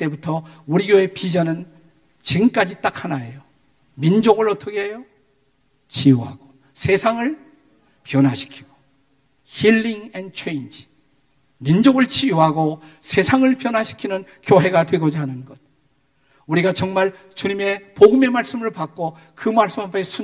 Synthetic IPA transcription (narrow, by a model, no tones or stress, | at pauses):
t͈e̞butʰʌuɾiɡjoepid͡ʑʌnɯn | t͡ɕimk͈ad͡ʑit͈akʰanaejo | mind͡ʑoɡɯɭʌt͈ʌkʰeejo | t͡ɕiuɦa̰ɡ̥o | sʰe̞sʰaŋɯɭ | pjʌnwaɕʰi̥kʰi̥ɡ̥o̥ | hiɭːiŋendt͡ɕʰe̞jnd͡ʑ | mind͡ʑoɡɯɭt͡ɕiuɦaɡosʰe̞sʰaŋɯɭpjʌnɦwaɕʰi̥kʰinɯnkjoɦe̞ɡatwe̞ɡʌd͡ʑaɦanɯnɡʌd̚ | uɾiɡat͡ɕʌŋmaɭ | t͡ɕuɲime̞poɡɯme̞maɭs͈ɯmɯɭpak͈o | kɯmaɭs͈ɯmapʰe̞sʰu